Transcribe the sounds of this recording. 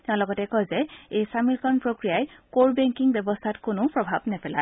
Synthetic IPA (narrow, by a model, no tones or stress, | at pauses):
tɛʊ̃lɔɡɔtɛkɔjzɛejsamilkʰɔnpɹokɹijajkoɹbɛŋkiŋbjɛbɔstʰatkonʊpɹɔbʱabnɛpɛla̰e